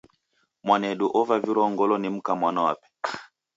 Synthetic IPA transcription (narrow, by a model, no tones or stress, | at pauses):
mwanɛɗuʔɔvaviɾɔŋɡɔlɔnim̩kamwanawa̰pɛ̥